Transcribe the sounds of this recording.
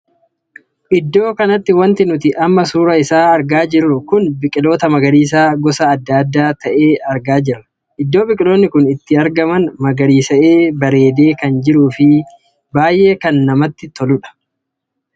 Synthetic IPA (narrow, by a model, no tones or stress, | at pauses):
ʔɪd̪ːo̞ːkɐnɐt̪ːɪwɐnt̪ɪnʊt̪ɪʔɐmːɐsuːɾɐɪsaːɐɾɡaːd͡ʒɪrːʊkʊnbɪkʼɪlo̞ːt̪ɐmɐɡɐɾiːs̬aːɡɔsɐːd̪ːaːd̪ːaːt̪ɐʔe̞ːɐɾɡaːd͡ʒɪrːɐ̥ | ʔɪd̪ːo̞ːbɪkʼɪlo̞ːnːɪkʊnɪt̪ːɪɐɾɡɐmɐnmɐɡɐɾiːsɐʔeːbɐɾe̞ːd̪e̞ːkɐnd͡ʒɪɾuːfɪ | baːjʔe̞ːkɐnːɐmɐt̪ːɪt̪ɔlʊᶑɐ̥